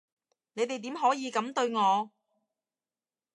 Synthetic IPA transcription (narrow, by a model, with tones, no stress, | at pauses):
ne˨˧jt̪e˨jt̪i˨˥mɦɔː˨˥jiː˨˧kɐ˨˥mt̪ɵ˧ɥŋɔː˨˧